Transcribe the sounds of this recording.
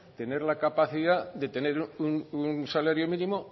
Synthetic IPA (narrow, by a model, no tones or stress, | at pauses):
t̪e̞ne̞ɾlakapaθiðad̪e̞t̪e̞ne̞ɾuununsalaɾjo̞mĩnĩmo̞